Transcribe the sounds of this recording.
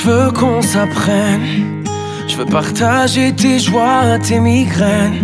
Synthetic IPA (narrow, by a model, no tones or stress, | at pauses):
vøkʰɔ̃sapχɛn | ʒ̥əvøpaʁt̪aʒet̪eʒwaʁat̪emiɡʁɛn